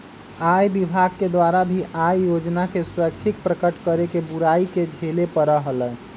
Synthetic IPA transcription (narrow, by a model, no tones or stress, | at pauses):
ajbibʱaɡ̚ked̪waɾabʱiʔajjod͡ʒnakeswək̚t͡ʃʰikpɾəkəʈkəɾekebuɾaiked͡ʒʱelepəɾəɦələj